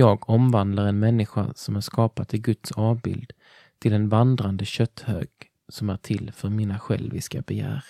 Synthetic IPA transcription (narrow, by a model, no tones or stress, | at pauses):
jɑːɡɔmvand̪laɾɛnmɛnːɪɧa̰sɔmæɾʂkɑːpat̪ʰɪɡɵt̪sɑːvbɪ̰ld̪ | t̪ʰɪlɛnvand̪ɾand̪əɕœt̪ːhø̰ːɡ̥ | sɔmæʈʰɪlːfœɾmiːnaɧɛ̰lvɪ̰ska̰bɛjæ̰ːɾ